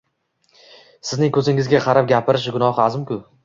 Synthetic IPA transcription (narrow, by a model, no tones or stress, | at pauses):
sɪznɪŋkʰɵzɪŋɪzɡʲaqʰɑɾap̚ɡʲapʰɪɾɪʃɡʊnɒhazɪmkʰʲʊ